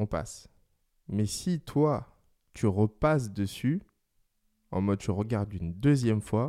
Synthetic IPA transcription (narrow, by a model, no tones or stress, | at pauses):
ɔ̃pa̰s | mɛsit̪ʰwa | t̪ʰyʁəpas̬d̪əsy | ɑ̰̃mɔd̪̚t̪yʁəɡaʁd̪ynd̪əzjɛmfwa